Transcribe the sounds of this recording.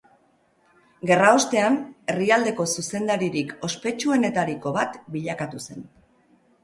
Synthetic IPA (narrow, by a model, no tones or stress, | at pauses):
ɡe̞rao̞st̪e̞ane̞riald̪e̞ko̞suse̞nd̪aɾiɾiko̞spe̞t͡ʃue̞ne̞t̪aɾiko̞βat̪biʎakat̪use̞n